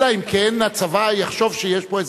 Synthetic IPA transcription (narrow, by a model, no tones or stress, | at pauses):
aimkʰɛnat͡savajaχʃovʃəjɛʃpoɛz